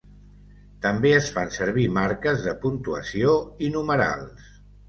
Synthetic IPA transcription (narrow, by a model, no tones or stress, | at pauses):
t̪əmbeəsfansəɾβ̞imaɾkəzðəpunt̪uə̰sioinuməɾa̰lˠs